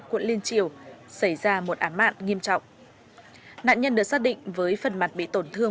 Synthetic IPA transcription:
kwə̰˧˨nli˧ənt͡ɕḭ˧˨əwsə˧˩jzaː˧mo˨˩t̚ʔaː˨˦ma̰ː˧˨nŋi˧əmt͡ɕɔ̰˧˨wŋ͡m | na̰ː˧˨nɲə˧nɗɨ˨˩ək̚saː˦˥t̚ɗḭ̈˧˨ŋ̟vəː˨˦jfə˨˩nma˨˩t̚ɓḭ˧˨t̪o˧˩nt̪ʰɨ˧ə

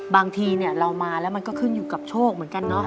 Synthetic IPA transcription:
baː˧ŋt̪ʰiː˧ni˥˩ɐɾa˧wmaː˧lɛ˦˥wma˧nkɔː˥˩kʰɯ˥˩njuː˨˩ka˨˩p̚t͡ɕʰoː˥˩k̚mɯ˩˦ənka˧nːɔ˦˥

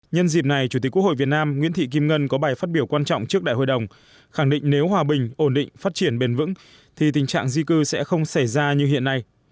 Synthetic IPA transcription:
ɲə˧nzi˨˩p̚na˨˩jt͡ɕu˧˩t̪i˨˩ku˦˥k̚ho̰˧˨vt̚naː˧mŋwi˧˥ənt̪ʰḭ˧˨k̬i˧mŋə˧nkɔ˨˦ɓaː˨˩jfaː˦˥t̚ɓi˧˩əwkwaː˧nt͡ɕɔ̰˧˨wŋ͡mt͡ɕɨ˦˥k̚ɗa̰ː˧˨ho̰˧˨jɗə˨˩wŋ͡m | xa˧˩ŋɗḭ̈˧˨ŋ̟ne˨˦wɦwaː˨˧ɓï˨˩ŋ̟ʔo˧˩nɗḭ̈˧˨ŋ̟faː˦˥t̚t͡ɕi˧˩ənɓe˧˩nvɨ̰˧˥ŋ | t̪ʰi˨˩t̪̬ï˨˩ŋ̟t͡ɕa̰ː˧˨ŋzi˧kɨ˧sɛ̰˧˥xə˧wŋ͡msa˧˩jzaː˧ɲɨ˧hḭ˧˨ənːa˧j

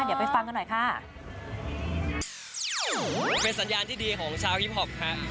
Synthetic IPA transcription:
di˨˦wpa˧jfa˧ŋka˧nːɔ˨˩jkʰaː˥˩ | pe˧nsa˩˦njaː˧nt̪ʰiː˥˩diː˧kʰɔː˩˦ŋt͡ɕʰaː˧whi˦˥p̚ɦɔ˨˩p̚kʰa˦˥ʔ

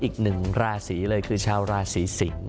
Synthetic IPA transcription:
ʔiː˨˩k̚nɯ˨˩ŋɾaː˧siː˩˦lɤː˧jkʰɯː˧t͡ɕʰaː˧wɾaː˧siː˩˦si˩˦ŋ

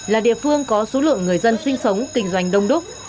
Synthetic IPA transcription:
laː˨˩ɗḭ˧˨əfɨ˧əŋkɔ˨˦so˨˦lɨ̰˧˨əŋːɨ˨˩əjzə˧nsï˧ŋ̟sə˨˦wŋ͡mkï˧˩ŋ̟zwa˧˩jŋ̟ɗə˧wŋ͡mɗo˦˥k͡p̚

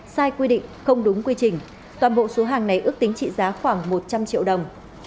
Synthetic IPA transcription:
saː˧jkwi˧ɗḭ̈˧˨ŋ̟xə˧wŋ͡mɗʊ˨˦ŋ͡mkwi˧t͡ɕï˨˩ŋ̟ | t̪waː˨˩nɓo̰˧˨so˨˦ɦaː˨˩ŋna˨˩jʔɨ˦˥ək̚t̪i˨˦ŋ̟t͡ɕḭ˧˨zaː˨˦xwaː˧˩ŋmo˨˩t̚t͡ɕa˧mt͡ɕḭ˧əwɗə˨˩wŋ͡m

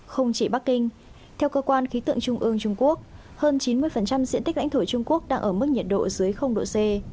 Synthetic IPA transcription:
xə˧wŋ͡mt͡ɕi˧˩ɓa˦˥k̚ːï˧ŋ̟ | t̪ʰɛ˧wkəː˧kwaː˧nxi˨˦t̪ɨ̰˧˨əŋt͡ɕʊ˧ŋ͡mʔɨ˧əŋt͡ɕʊ˧ŋ͡mku˦˥ək̚ | həː˧nt͡ɕi˨˦nmɨ˧əjfə˨˩nt͡ɕa˧mzḭ˧˥nt̪ï̟˦˥la̰˧˥ŋ̟t̪ʰo˧˩t͡ɕʊ˧ŋ͡mku˦˥ək̚ɗaː˧ŋʔəː˧˩m˦˥k̚ɲi˨˩t̚ɗo̰˧˨zɨ˨˦əjxə˧wŋ͡mɗo̰˧˨se˧

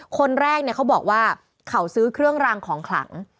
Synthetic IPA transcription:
kʰo˧nɾɛː˥˩k̚ni˥˩ka˦˥wbɔː˨˩k̚waː˥˩ | kʰa˩˦wsɯː˦˥kʰɾɯ˥˩əŋɾaː˧ŋkʰɔː˩˦ŋkʰla̰˩˦ŋ

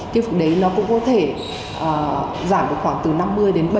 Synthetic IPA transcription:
kaː˨˦jv̚ɗə˨˦jnɔ˨˦kʊ̰˧˥ŋ͡mkɔ˨˦t̪ʰe˧˩ | ʔəː˨˩ | zaː˧˩mɗɨ˨˩ək̚xwaː˧˩ŋt̪ɨ˨˩na˧mːɨ˧əjɗe˨˦nɓə˧˩

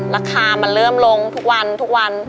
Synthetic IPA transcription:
ɾaː˧kʰaː˧ma˧nlɤː˥˩mlo˧ŋt̪ʰu˦˥k̚wa˧nt̪ʰu˦˥k̚wa˧n

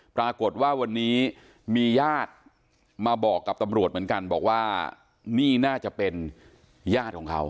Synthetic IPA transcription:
pɾaː˧ko˨˩t̪̚waː˥˩wa˧nːiː˦˥ | miː˧jaː˥˩t̪̚ | maː˧bɔː˨˩kːa˨˩p̚t̪a˧mɾu˨˩ət̪m˩˦ə˦nka˧nbɔː˨˩k̚waː˥˩ | niː˥˩naː˥˩t͡ɕa˨˩ʔpe˧n | jaː˥˩t̪̚kʰɔː˩˦ŋkʰa̰˦˥w

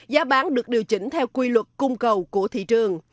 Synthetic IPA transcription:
zaː˨˦ɓaː˨˦nɗɨ˨˩ək̚ɗi˨˩əwt͡ɕï˧˩ŋ̟t̪ʰɛ˧wkwi˧lwə˨˩t̚kʊ˧ŋ͡mkə˨˩wku˧˩ət̪ʰḭ˧˨t͡ɕɨ˨˩əŋ

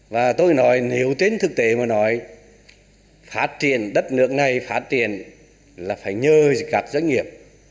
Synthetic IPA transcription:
vaː˨˩t̪o˧jnɔ˨˦jne˨˦wt͡ɕe˧nt̪ʰɨ˨˩k̚t̪e˨˦maː˨˩˦nɔ˨˦j | faː˦˥t̚t͡ɕḭ˧˨ənɗə˦˥t̚nɨ˦˥ək̚na˨˩jfaː˦˥t̚t͡ɕḭ˧˨ən | laː˨˩faː˧˩jɲəː˧kaː˦˥k̚zwə˧˦ŋ̟ŋi˨˩əp̚

